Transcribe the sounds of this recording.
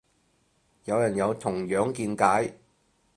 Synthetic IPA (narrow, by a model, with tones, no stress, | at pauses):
jɐ˨˧wjɐ˨˩njɐ˨˧wt̪ʰʊ˨˩ŋjœː˨˥ŋkiː˧nkaː˨˥j